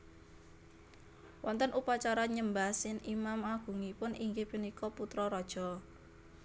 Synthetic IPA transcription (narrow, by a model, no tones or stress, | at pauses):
wʔɔnt̪ənʔupat͡ʃaɾaɲəmbasɪnimamaɡ̥ṳŋipʊniŋɡepinikɔput̪ɾɔɾɔd̥ʒ̥ɔ̤